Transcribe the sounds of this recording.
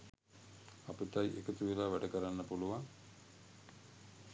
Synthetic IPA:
apit̪ajʔḛkət̪uʋilaːʋæɖəkəɾanːəpuluʋaŋ

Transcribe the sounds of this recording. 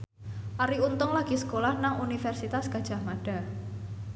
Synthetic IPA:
ʔaɾiunt̪ʊŋlaɡ̥isə̥kolahnaŋunifɛrsit̪asɡ̥ad̥ʒ̥a̤hmaɖ̥a̤

